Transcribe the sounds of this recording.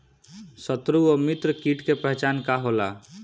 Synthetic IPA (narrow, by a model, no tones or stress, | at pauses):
sət̪ɾuomit̪ɾəkiʈkepəɦt͡ʃankaɦola